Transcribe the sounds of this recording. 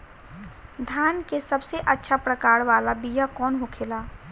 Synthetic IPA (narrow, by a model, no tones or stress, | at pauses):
d̪ʱaːnkesəbseʔətːʃʰapɾəkaːɾʋaːlabijakɔːnɦokʰeːlaː